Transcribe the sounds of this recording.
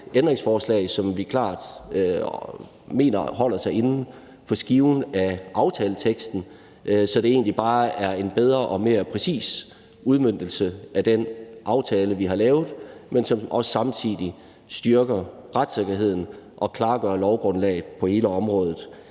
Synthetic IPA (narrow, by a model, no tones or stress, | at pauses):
end̥ʁe̝ŋsfɒːslɛ̰ːɪsɒ̽mʋikʰlɑ̰̈ːd̥ | me̝̰ːnɐhɒ̽l̰ɐsɑ̈ɪe̝nn̩ | fɒ̽sɡ̥iʊnæʔɑ̈ʊt͡sʰɛːlət͡sʰeɡ̥sd̥n̩ | sɒ̽d̥e̝e̝̰ːnlib̥ɑ̈ːæɐe̝nb̥eð̞ˠʁɐʔɒ̽me̝ːɐpʰʁɛsḭːs | uð̞ˠmøn̰d̥l̩səæd̥enʔɑ̈ʊt͡sʰɛːləʋiɦɑ̈lɛːʊð̩ˠmensɒ̽mʔɒ̽sə̥sɑ̈mt͡sʰiðˠi | sd̥ɶɐɡ̥ɐʁad̥seɡ̥ɐɦe̝ð̰ˠn̩ʔɒ̽kʰlɑ̈ːɡ̥ɶːɐlɒʊɡ̥ʁɔ̽nlɛ̰ːɪð̩ˠpʰɒ̽he̝ːləɒ̽mʁɔ̽ːð̞ˠð̩ˠ